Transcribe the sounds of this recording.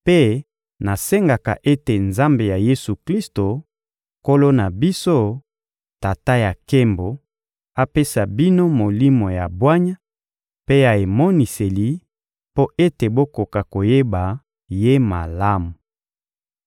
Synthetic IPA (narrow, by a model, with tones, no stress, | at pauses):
pe˦ | na˨se˦ŋɡa˨ka̰˨ʔe˦te˨nza˦mbe˨ja˨je˦su˨kli˦sto˨ | ko˦lo˦na˨bi˦so˦ | ta˨ta˦ja˨ke˦mbo˨ | a˦pe˦sa˨bi˦no˦mo˨li˦mo˨ja˨bwa˦ɲa˦ | pe˦a˨e˨mɔ˦ni˨se˨li˨ | po˦ʔe˦te˨bo˦ko˨ka˨ko˨je˦ba˨ | je˦ma˨la˦mu˨